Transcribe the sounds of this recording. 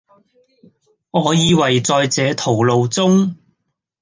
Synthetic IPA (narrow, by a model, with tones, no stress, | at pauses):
ŋɔː˨˧jiː˧wɐ˨˩jt͡sɔː˧jt͡sɛː˨˧˥t̪ʰo˨˩wlo˨˧wt͡sʊ˥ŋ